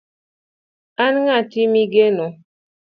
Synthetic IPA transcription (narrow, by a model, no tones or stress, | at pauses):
anŋatimiɡeno